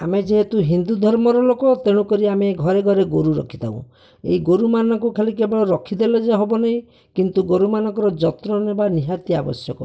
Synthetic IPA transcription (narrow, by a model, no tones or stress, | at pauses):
a̰med͡ʒeɦet̪uɦind̪ud̪ʱɔɾmɔɾɔlokɔt̪eɽ̃ukɔɾiameɡʱɔɾeɡʱɔɾeɡoɾuɾɔkʰi̥t̪ʰa̰ṵ̃ | ḛiɡoɾumanɔŋkukʰalikebeɭɔɾɔkʰid̪ʱelɔd͡ʒaɦɔbɔnaɦĩ | kint̪uɡoɾumanɔ̃ŋkɔɾɔd͡ʒɔt̪ɾɔnebaniɦat̪iabɔ̰sjɔkɔ̰